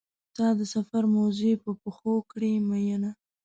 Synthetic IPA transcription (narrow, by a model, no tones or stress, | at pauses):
t̪ɑd̪əsafaɾmazepəpəxokɽemajana